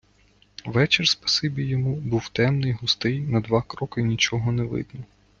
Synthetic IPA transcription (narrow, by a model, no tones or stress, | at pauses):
ʋɛt͡ʃɪrspɐ̥sɪbʲijːɔmubuwt̪ɛmnɪjɦʊst̪ɪjnɐd̪ʋɑkɾɔkɪnʲit͡ʃɔɦɔneʋɪ̰d̪nɔ